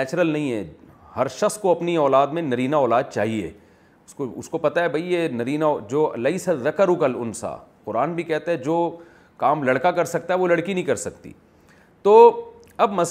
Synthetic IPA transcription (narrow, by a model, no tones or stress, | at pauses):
t͡ʃɾəlnɐɦĩɦɛhɐɾʃɐxskoɐpniɔːlaːd̪mẽnɐɾiːnaɔːlaːd̪̚t͡ʃaːɦiḛː | ʊskoʊ̰skopɐt̪aɦɛbʱɐijenɐɾiːnad͡ʒoːɐ̰lɐisaðɐkəɾʊkəlʊnsa̰qʊɾaːnbʱikɛɦt̪eɦɛd͡ʒoː | kaːmlɐɽkakɐɾsɐk̚t̪aɦɛʋolɐɽkinɐɦĩkɐɾsɐkt̪ḭː | t̪oː | ɐbmɐs